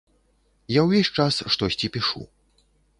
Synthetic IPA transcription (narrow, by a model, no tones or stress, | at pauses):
jawvʲɛsʲt͡ʂasʂt̪ɔsʲt͡sʲipʲiʂṵ